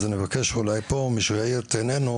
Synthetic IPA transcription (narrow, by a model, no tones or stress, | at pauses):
zenevakeʃulajpo̞miʃvaiɾt̪enenu